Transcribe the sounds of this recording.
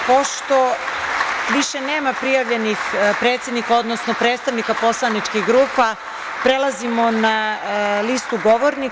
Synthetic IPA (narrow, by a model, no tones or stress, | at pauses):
poʃt̪o̞ | ʋiʃeneːmapɾijaʋʎe̞nixpɾeːt̪sjed̪nikao̞d̪nosnopɾeːt̪st̪aʋnikapo̞slˠanit͡ʃkiɣɡɾuːpa | pɾelˠazimo̞nalist̪uɡoʋoɾni